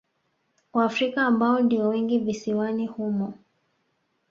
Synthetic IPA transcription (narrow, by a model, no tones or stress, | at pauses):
waːfɾikaːmbaɔndiwɔwɛŋɡivisiwanihumɔ